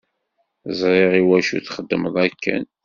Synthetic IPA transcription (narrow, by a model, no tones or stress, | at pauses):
zˤɾˤeʁiwæʃṵθχəd̪ːəməðˤækːæ̰n